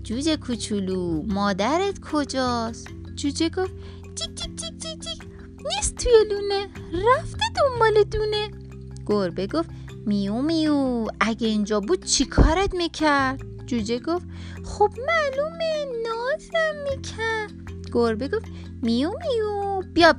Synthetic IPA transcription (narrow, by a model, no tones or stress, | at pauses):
d͡ʒud͡ʒekʰut͡ʃʰulumɒːd̪æɾet̪kʰod͡ʒɒs | d͡ʒud͡ʒeɡof | d͡ʒid͡ʒid͡ʒid͡ʒid͡ʒi | nist̪t̪ʰujeluneɾæft̪ed̪ombɒːled̪une | ɡ̥oɾbeɡof | miumijuæɡeind͡ʒɒbud̪̥̚t͡ʃʰikʰɒːɾet̪mikʰæɾd̪̥̚ | d͡ʒud͡ʒeɡof | xob̥mælumenɔzɾæmːikʰæ | ɡ̥oɾbeɡof | mijumijubijɒb